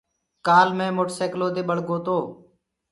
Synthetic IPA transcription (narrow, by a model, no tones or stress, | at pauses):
kaːlmẽːmoːʈseːkloːd̪eːɓəɽɡoːt̪oː